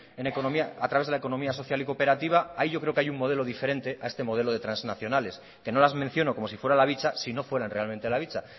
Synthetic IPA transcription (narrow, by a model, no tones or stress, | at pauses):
e̞neko̞nomiaat̪ɾaβe̞zðeeko̞nomiaso̞θjaliko̞pe̞ɾat̪iβ̞aaiʝo̞kɾeokeajuŋmo̞ð̞e̞lo̞ðife̞ɾẽ̞nt̪e̞ʔaest̪e̞mo̞ð̞e̞lo̞ð̞e̞t̪ɾanznaθjo̞nale̞s | ke̞no̞lazmẽn̟θjo̞noko̞mo̞s̬ifwe̞ɾalaβit͡ʃasino̞fwe̞ɾanre̞alment̪elaβ̞it͡ʃa